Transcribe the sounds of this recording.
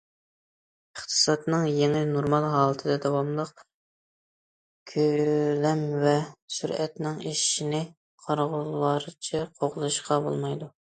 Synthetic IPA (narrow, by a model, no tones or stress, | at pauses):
əχt̪ʰɨ̥sɑt̪nɨŋjeŋɪnoɾmɑlˠɦɑːlˠət̪ʰɨd̪ɛd̪ɑwɑmlˠəq̚ | kʲʰølɛmvɛsyɾɛt̪nɪŋiʃinɪ | qʰɑɾʁʊlːɑɾɨt͡ʃʰɛqʰoʁlˠɨʃqʰɑbo̰lˠmɑjd̪u